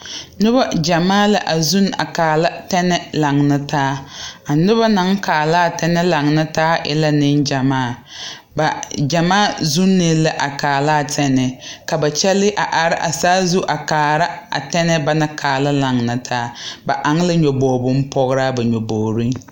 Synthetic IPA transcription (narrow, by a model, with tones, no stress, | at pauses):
nʊ˦ba˦d͡ʒa˨maː˦la̰˦ʔa˨zu˦na̰˨kaː˨la˦tɛ˦nɛ˦la˨ŋna˦taː˦a˨nʊ˦βa˦na˨˦ŋkaː˨la˦˨tɛ˦nɛ˦la˨ŋna˦taː˦ʔɪ̰˦la˦nɪ˦nd͡ʒa˨maː˦˨ | ba˨d͡ʒa˨maː˦˨zu˦nːɪ˨la˦ʔa˨kaː˨laː˦˨tʰɛ˦nɛ˨ka˨ba˨t͡ʃɛ˦lɪ˦ʔa˨ʔa˨ɾɪ˦ʔa˨saː˦zu˦ʔa˨kaː˨ɾa˦a̰˨tɛ˦nɛ˦ba˨na˦kʰaː˨la˦la˨ŋna˨tʰaː˦ba̰˨ʔa˨ŋ˦lɪ˦ɲɔ˨boː˨bʊ˦m˦pɔ˦ɣɾaː˦ba˨ɲɔ˨bɔː˨ɾi˦